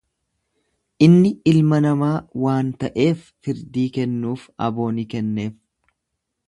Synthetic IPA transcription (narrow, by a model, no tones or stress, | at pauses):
ʔɪnːɪɪlmɐnɐmaːwaːnt̪ɐʔe̞ːfːɪɾd̪iːkɛnːuːfɐ̰bo̞ːnikɛnːe̞ːf